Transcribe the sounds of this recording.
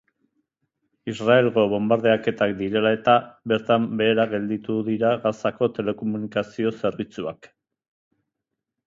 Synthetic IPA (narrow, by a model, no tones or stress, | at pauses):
israe̞lɣo̞βo̞mbaɾðe̞ake̞t̪akd̪iɾe̞lae̞t̪aβe̞ɾt̪ambe̞ːɾaɣe̞ld̪it̪uðiɾaɣasako̞t̪e̞le̞ko̞munikasio̞se̞ɾβit͡sua̰k